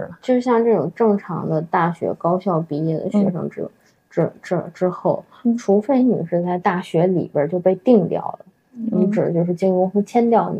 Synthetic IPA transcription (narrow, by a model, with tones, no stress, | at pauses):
ɻt͡ɕjo˥˧ʊʂɻ̩˥˩ɕjɑ˥˧ŋʈ͡ʂɤ˥˩ʈ͡ʂʊ˨˩ŋʈ͡ʂɤ˥˩ŋʈ͡ʂʰɑ̰˧˥ŋd̪ə˧t̪a˥˩ɕɥɛ̰˧˥kɑ˥ʊɕjɑ˥˩ʊpi˧˥i˥˩d̪ə̰˩ɕɥɛ̰˧˥ʂɤ̰˧˥ŋɻ̩˥ | ʈ͡ʂɻ̩˥ʈ͡ʂ̩˥ʈ͡ʂɻ̩˥xo˥˩ʊ | ʈ͡ʂʰu˧˥fe˥˩ɪny̰˨˩ʂɻ̩˥˧t͡sa˥˧ɪt̪a˥˩ɕɥɛ˧˥lḭ˨˩bə˞˥˧t͡ɕjo˥˧ʊpe˥˧ɪt̪i˥˧ŋt̪jɑ̰˥˩ʊlə˩ | i˧˥ʈ͡ʂɻ̩̰˨˩t͡ɕjo˥˧ʊʂɻ̩˥˩t͡ɕi˥ŋu˥ŋxə˥˧t͡ɕʰjɛ˥nt̪jɑ˥˩ʊnḭ˨